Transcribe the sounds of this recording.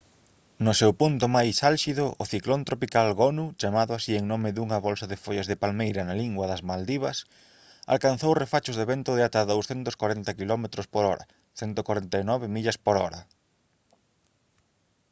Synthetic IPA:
nʊsewpunt̪ʊmajsalʃiðʊʔʊθiklont̪ɾopikalɣonut͡ʃamaðʊasieŋnomɪðuŋɐβɔlsɐðɪfoʎazðɪpalmejɾɐnaliŋɡwɐðɐzmald̪iβɐs | a̰lkan̟θowrefat͡ʃʊzðeβent̪ʊðɪat̪aðowsθɛnt̪ʊskwaɾɛnt̪ɐkilɔmet̪ɾʊspoɾɔɾɐ̰ | θɛnt̪okwaɾent̪ajnɔβɪmiʎɐspoɾɔɾɐ

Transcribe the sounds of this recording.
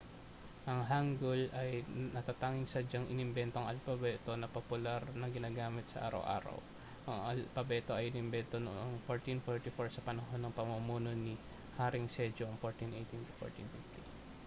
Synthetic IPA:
ʔɐŋɦaŋɡolʔɐjnɐt̪at̪aːŋɪŋsɐd͡ʒɐŋʔɪ̰nɪmbɛnt̪oŋɐlfɐbɛːt̪o̞nɐpopʊlaɾnɐɡɪnaːɡaːmɪt̪sɐ̰ʔa̰ːɾɐ̰wʔa̰ːɾɐ̰w | ʔɐŋɐlpɐbɛːt̪o̞ʔɐjɪnɪmbɛnt̪o̞noʔoŋfoɹt̪infoɹt̪ifoɹsɐpɐnɐɦo̞nːɐŋpɐmumuːno̞ni | haːɾɪŋsɛd͡ʒoŋfoɹt̪inʔejt̪int̪u̥fo̰ɹt̪ḭnfift̪i

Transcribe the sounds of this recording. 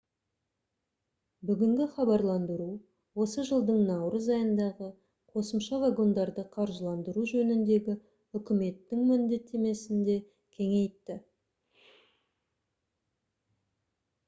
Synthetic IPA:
bʏɡʲɪŋɡʲɪχɑbɑɾlˠɑnd̪əɾu | wo̞səʒəlˠd̪əɴnɑwɾəzɑjənd̪ɑʁə | qʰo̞səmʃɑvaɡo̞nd̪ɑɾd̪əqʰɑɾʒəlˠɑnd̪əɾuʒɵnɪnd̪e̞ɡʲɪ | ʏkʲɪme̞t̪ːɪŋmɪnd̪e̞t̪ʰːe̞me̞sɪnd̪e̞ | kʲʰe̞ŋe̞jt̪ːɪ

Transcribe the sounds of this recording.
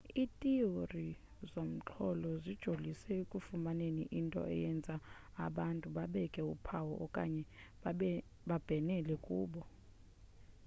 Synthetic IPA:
itʼiori | zom̩t͡ɬʰɔlɔzid̥ʒ̥ʱolisɛekʼufumaneniʔintʼɔ̰ɛ̰jɛnd͡zʱaː | ɓantʼuɓaɓɛkʼɛṵpʰawɔʔːkʼa̰ɲɛ | ɓab̥ʱɛnɛlɛkʼuːɓɔ

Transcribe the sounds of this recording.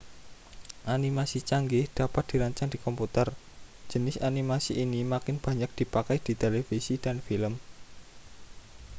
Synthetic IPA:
ʔanimasit͡ʃaŋɡɪhd̪̥a̤pat̪̚d̪̥i̤ɾaɲt͡ʃaŋd̥i̤kɔmput̪ər̥ | d͡ʒ̥ə̤nɪsanimasiʔːnimakɪnb̥ä̤ɲak̚d̪̥i̤pakajd̪̥i̤t̪elefisid̥a̤nfiləm

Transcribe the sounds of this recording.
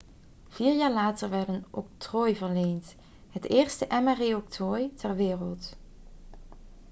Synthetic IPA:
v̥iːɹjaːɹlaːtəɹʋɛɹdənʔo̰k̚troːjvəɹlejnt | ɦətɪːɹstəʔɛmɛrejɔk̚trojtʰɛɹʋɪːrəlˠt

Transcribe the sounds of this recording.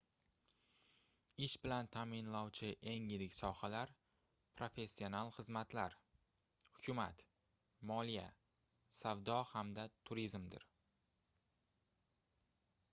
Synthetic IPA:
ɪʃbɪlant̪ʰamɪnlɒwt͡ʃʰɪʔe̞ŋjɪɾɪkʲsɒhalaɾ | pʰɾo̞fe̞sːio̞nalˠχɨzmat̪laɾ | hʊkʲʰʊma̰t̪ | mɒlija̰ | savd̪ɒhamd̪at̪ʰʊɾizmd̪ɪ̰ɾ

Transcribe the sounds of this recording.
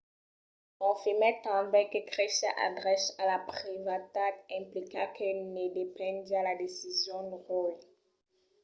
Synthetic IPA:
ɔ̃fimɛt̪ãbɛ̃kəkʁɛʃja̰ʔa̰ɡʁɛsalapχivat̪akɛ̃plikãkʰənedepɛ̃djaladesizjɔ̃dʁɔj

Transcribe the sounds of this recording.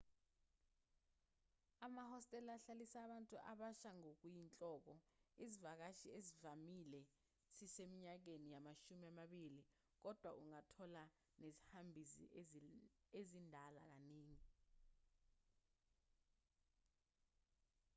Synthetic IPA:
amahɔstʼɛlaɬalisaːɓantʼuʔa̰ɓaʃaŋok̬ujint͡ɬʼɔːk̬ɔizivak̬aʃiezivamilɛ | sisemiɲak̬enijamaʃumiamaɓili | k̬ɔd̥ʱwaʔuŋatʰɔla | nezihambʱizḭ | ezindʱala̰k̬aneːŋi

